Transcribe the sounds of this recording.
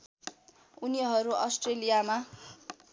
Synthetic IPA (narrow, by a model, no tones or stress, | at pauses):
uniɦʌɾuʌsʈrelijama